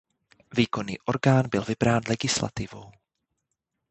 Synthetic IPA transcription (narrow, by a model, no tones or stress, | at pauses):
viːko̞niːʔoɾɡaːnbɪlvɪbɾaːnlɛɡɪsla̰t̪ɪvo̞w